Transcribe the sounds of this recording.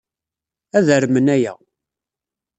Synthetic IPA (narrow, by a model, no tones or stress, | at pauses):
æðəɾmənæjæ̰